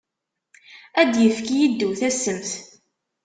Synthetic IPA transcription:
æd̪jəfkijid̪ːuθæsəmθ

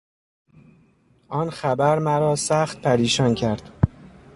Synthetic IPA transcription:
ʔɒːnxæbæɾmæɾɒːsæxt̪̚pʰæɾiːʃɒːncʰæɾd̪̥

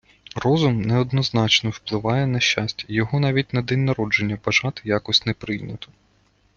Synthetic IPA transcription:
rɔzʊmnɛɔd̪nɔznɑt͡ʃnɔwplˠɪʋɑjɛnɐʃʲt͡ʃasʲtʲɐjɔɦɔnɑʋʲit̚ʲnɐd̪ɛnʲːɐɾɔd͡ʒe̞nʲːɐbɐʒɑt̪ɪjɑkɔsʲtʲnɛpɾɪjnʲɐt̪ɔ̥

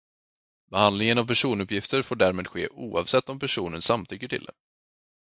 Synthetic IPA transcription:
bɛhand̪lɪŋənavpʰæʂuːnɵpjɪft̪əɾfoːɖæːɾmeːd̪ɧḛːʔuːɑ̰vsɛt̪ːɔmpæʂuːnənsamt̪ʰʏkːəʈʰɪ̰ld̪ɛ̰

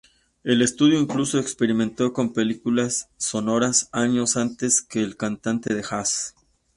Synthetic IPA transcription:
e̞le̞st̪uðjo̞iŋkluso̞ekspe̞ɾimẽnt̪o̞ko̞mpe̞likulasːo̞no̞ɾasaɲo̞sant̪e̞ske̞ːlkant̪ant̪e̞ðexas

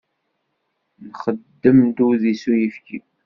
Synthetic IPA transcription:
nχəd̪ːəmd̪uðisujəfki

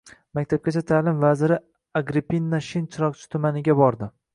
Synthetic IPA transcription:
makʲt̪ʰap̚kʲat͡ʃʰat̪ʰaːlɪmvazɪɾɪ | aɡɾipinːaʃɪnt͡ʃʰɪɾɒq̚t͡ʃʰɪ̥t̪ʰʊmanɪɡʲabɒɾd̪ɪ

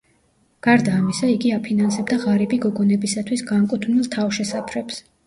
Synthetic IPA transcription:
ɡ̥aɾd̪aːmisaiɡiapʰinansɛbd̪aʁaɾibiɡɔɡɔnɛbisat̪ʰwisɡaŋkʼut̪ʰvnilˠt̪ʰafʃɛsapʰɾɛps

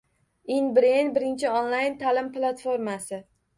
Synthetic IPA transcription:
inbɾenbɪɾɪnt͡ʃʰɪonlˠajnt̪ʰalɪmplˠat̪fo̞ɾmasɪ

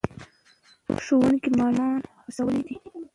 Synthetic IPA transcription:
ʃowənkimɑnɑnxusawəlid̪i

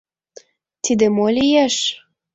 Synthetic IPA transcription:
t̪id̪emolʲijæʃ

